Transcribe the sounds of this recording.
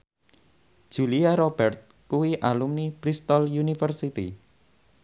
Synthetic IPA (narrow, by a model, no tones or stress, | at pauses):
ʒ̥uliaɾob̥ɛrt̪̚ | kuwiʔalumnib̥ɾist̪ɔljunifərsit̪ḭ